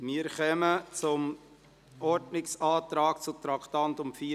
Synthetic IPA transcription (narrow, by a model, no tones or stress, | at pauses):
miːəɾχœmət͡sʊm | ʔɔɾdnɪksɑːt̪ɾɑːk̚t͡sʊt̪ɾɑktɑntʊmfiː